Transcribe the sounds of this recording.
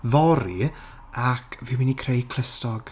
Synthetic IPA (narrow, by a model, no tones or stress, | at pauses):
vɔɾi | akʰviːwɪnikʰrejkʰl̥ɪstɔɡ̥